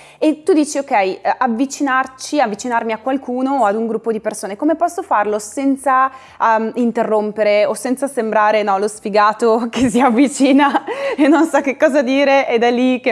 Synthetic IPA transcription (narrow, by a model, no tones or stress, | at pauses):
et̪ːud̪iːt͡ʃiokːɛjʔavːit͡ʃinart͡ʃiavːit͡ʃinarmiakwalkʰuːnoːad̪uŋɡɾupːod̪ipersoːnekomepɔsːofarlosɛnt̪sa | int̪erːompeɾeosɛnt̪sasembɾaːɾenɔlosfiɡaːt̪okesiavːit͡ʃiːnaenːonsak̟ːekːɔːzad̪iːɾeʔed̪ɛlːikːe